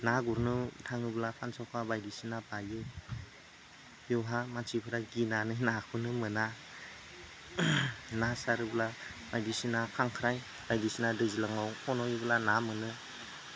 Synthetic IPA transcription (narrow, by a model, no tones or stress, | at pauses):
naɡuɾnɯtʰaŋɯblapʰansawkʰabajdisinapajɯ | juwɦamat͡ʃipʰɯɾaɡinanɯnakʰɯnɯmɯna | nasaɾɯblabajdisinakʰaŋkʰɾaj | bajdisinadɯzilaŋawɔnɔjiblanamɯnɯ